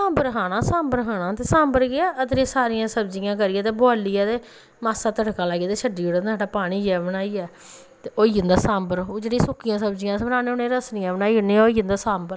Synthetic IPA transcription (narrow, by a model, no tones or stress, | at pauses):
sãːmbəɾɦaːnãːsãːmbəɾɦaːnãːt̪eːsãːmbəɾɡɪɛːʔət̪ɾeːsaːɾɪjãːsəbd͡ʒɪjãːk̬əɾɪjɛːt̪eːboaːliːɛːt̪eː | maːsaːt̪əɽkaːlaːɡiaːt̪eːt͡ʃʰəɖiːoɽãaːɖaːpaːɽ̃iːd͡ʒɛːbñaːiːɛː | t̪eːʔoːiːə̃nd̪aːsãːmbəɾod͡ʒeːɽisʊkːɪjãːsəbd͡ʒɪjãːsəɾaːneːʊnẽːɾəsnɪjãːbənaːiːʊneːɛːoːiːə̃nd̪aːsaːmbəɾ